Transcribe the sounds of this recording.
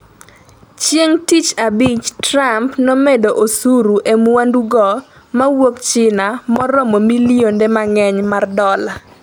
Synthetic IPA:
t͡ʃjeŋtit͡ʃabit͡ʃtɾampnɔmedoʔosuɾuʔemwanduɡɔ | mawokt͡ʃɪnamɔɾɔmɔmiliondemaŋɛɲmardɔla

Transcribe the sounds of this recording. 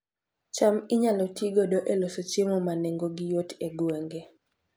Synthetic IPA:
t͡ʃamɪɲalɔtiɡɔdoʔelosot͡ʃemomaneŋɡoɡɪjoteɡweŋɡe

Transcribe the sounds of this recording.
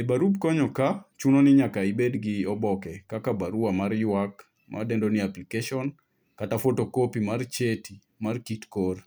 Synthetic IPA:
ebaɾub̚kɔɲɔkat͡ʃunonɪɲakaibedɡɪɔbɔkɛkakabaɾuamaɾjwak | mʔa̰dendoniaplikeʃɔn | katafotokopimart͡ʃeti | markitkor

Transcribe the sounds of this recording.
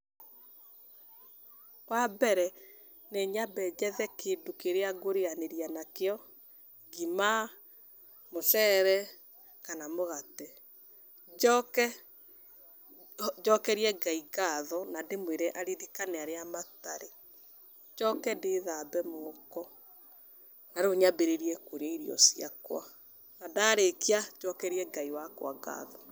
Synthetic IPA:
kwabɛɾɛ | neɲabɛd͡ʑɛðɛkedokeɾeaɡoɾeaneɾianakeɔ | ɡima | moʃɛːɾɛ | kanamoɣatɛ | kɛ | d͡ʒɔkɛɾiɛɡaiɡaðɔnademweɾɛʔaɾeðikanɛaɾeamataɾe | d͡ʒɔkɛndeðabɛmokɔ | naɾoɲabeɾeɾiɛkoɾeaiɾiɔ̰siakwa̰ | nadaːɾekiad͡ʒɔkɛɾiɛɡaiwakwaɡa̰ðɔ

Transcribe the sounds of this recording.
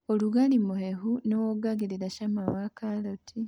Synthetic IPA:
oluɡalimuhehunowoɡaɡiɾiɾaʃamaβakʰalotʰi

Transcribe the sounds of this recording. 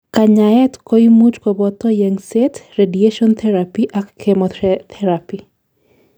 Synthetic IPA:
kaɲaɛtkoimut͡ʃkɔbɔt̪ɔjeŋsetredieʃɔnt̪ʰɛɾapiʔakːʰemɔt̪ʰɛɾapi

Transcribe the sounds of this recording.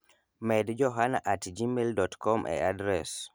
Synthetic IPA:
mɛdd͡ʒɔɦanaʔatd͡ʒimeldɔtkɔmʔɛ̰adɾɛs

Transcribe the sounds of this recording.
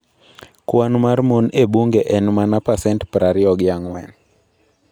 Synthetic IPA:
kwanmarmunebuŋɡeʔɛnmanapasɛntpɾaɾɪɔɡjaŋwɛn

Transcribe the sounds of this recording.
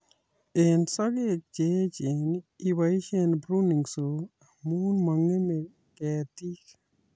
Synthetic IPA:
eːnsɐɡek̚d͡ʒeːt͡ʃeniwɐjʃeːnbɾuniŋɡso | muːnmɐŋːeme | kɛːt̪ik

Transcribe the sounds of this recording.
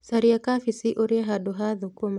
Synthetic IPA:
saɾiakafisiʔoɾiaɦadoɦaðukɔm

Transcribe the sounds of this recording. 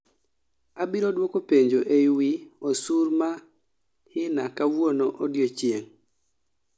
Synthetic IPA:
abiɾodwokopeɲd͡ʒoʔewiosuɾma | hɪnakawwonoʔodjot͡ʃjeŋ

